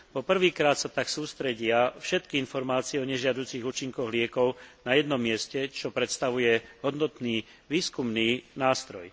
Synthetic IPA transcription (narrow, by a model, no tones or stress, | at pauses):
pɔpr̩ʋiːkɾaːt̪sat̪aksuːst̪ɾɛɟɪafʃɛt̪̚kiinfɔɾmaːt͡sɪɛɔɲɛʒɪad̪uːt͡siːɣuːt͡ʃiŋkɔɣlɪɛkɔʊnajɛd̪nɔmːɪɛscɛt͡ʃɔpɾɛt̪st̪aʋujɛɦɔd̪nɔt̪niː | ʋiːskumniːnaːst̪ɾɔj